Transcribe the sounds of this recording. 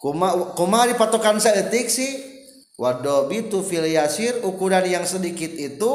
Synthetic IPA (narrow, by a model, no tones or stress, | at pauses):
kumakumaɾipat̪okansadət̪ɪksɪh | wadobit̪ufiliasɪrukuɾanjaŋsədikɪt̪̚it̪u